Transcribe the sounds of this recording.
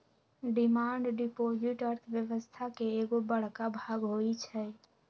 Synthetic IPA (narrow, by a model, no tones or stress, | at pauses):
ɖimaːɳɖɖipod͡ʒiʈəɾt̪ʰʋjəʋəst̪ʰakeːɡobəɽ̤kabʱaːɡɦoit͡ʃʰɛ